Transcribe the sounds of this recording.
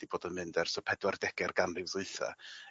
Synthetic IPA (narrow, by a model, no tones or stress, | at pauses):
d̥iboːdɔmɨndɛrsɔpʰɛdwardɛɡ̥ɛrɡanlɨwzuɨθa̰